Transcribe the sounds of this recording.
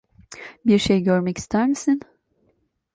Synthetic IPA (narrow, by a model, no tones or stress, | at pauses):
biɾʃejɟøɾmɛcʰi̥st̪ʰæɾmisin